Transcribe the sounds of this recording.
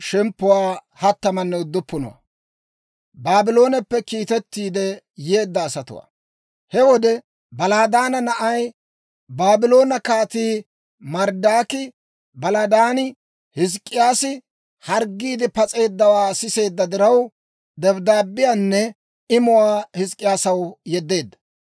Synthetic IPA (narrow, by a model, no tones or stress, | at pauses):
ʃɛmpːʊwaː | hɐt̪ːɐmɐnːɛʊd̪ːʊpːʊnɔ̰wa̰ | baːbɪlo̞ːnɛpːɛkiːt̪ɛt̪ːiːd̪ɛ | jeːd̪ːɐːsɐt̪ʊ̰wa̰ | hɛwɔd̪ɛ | bɐlaːd̪aːnɐnɐʔɐj | baːbɪlo̞ːnɐkaːt̪iː | mɐɾd̪aːkɪ | bɐlaːd̪aːnɪ | hɪs̬kʼːɪjaːsɪ | hɐɾɡːiːd̪ɪpɐt͡sʼe̞ːd̪ːɐwaːsɪse̞ːd̪ːɐd̪ɪɾɐw | d̪ɛbd̪aːbːɪjanːɛ | ɪmʊwaːhɪskʼːɪjaːsɐwjɛd̪ːe̞ːd̪ːɐ̥